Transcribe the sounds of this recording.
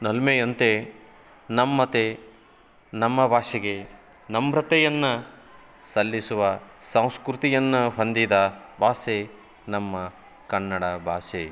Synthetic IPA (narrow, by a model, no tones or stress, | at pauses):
nɐlmejɐnt̪e | nɐmːɐt̪e | nɐmːɐbʱaːʂeɡe | nɐmbɾɐt̪ɛjɐnːɐ | sɐlːisuʋɐsɐ̃w̃skɾut̪ijɐnːuɦond̪id̪ɐbʱaːse | nɐmːɐ | kɐnːɐɽɐbʱaːse